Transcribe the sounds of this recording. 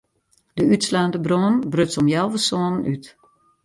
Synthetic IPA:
d̥əytslaːndəbronbrøsɔmjɛlˠvəsoənənʔyt

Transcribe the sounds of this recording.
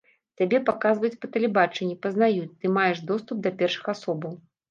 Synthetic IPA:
t̪ʲabʲɛpakazvɐjut͡sʲpɐt̪ɐlʲɛbat͡ʂɛnʲːipɐznajut͡sʲt̪ɨmajɛʂd̪ɔst̪up̚d̪ɐpʲɛrʂɨ̥xasɔbɐw

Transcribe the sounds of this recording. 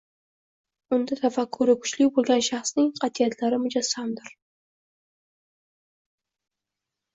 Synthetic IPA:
ʊnd̪at̪ʰafakʰːʊɾɪkʰʊ̥t͡ʃlɪkʲbolˠɡʲanʃɑχsnɪŋqʰɑt̪ʰijat̪ʰlaɾɪmʊd͡ʒasamd̪ɪɾ

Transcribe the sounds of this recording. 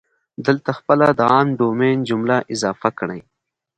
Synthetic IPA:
d̪əlt̪axpəlad̪əaːmɖoːmeːnd͡ʒʊmlaʔɪzɑːfakəɽaj

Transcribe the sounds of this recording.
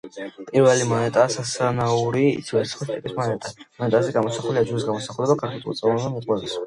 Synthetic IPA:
pʼiɾvɛlimɔnɛt̪ʼaːsasanauɾḭːt̪sʰivɛɾtsʰχist̪ʼɛkʼismɔnɛt̪ʼamɔnɛt̪ʼazɛɡamɔsaχuliad͡ʒuɾisɡamɔsaχulɛbakʰaɾkʰʼit̪ʼṵt̪sʼɛvanamɔqʼwɛbis

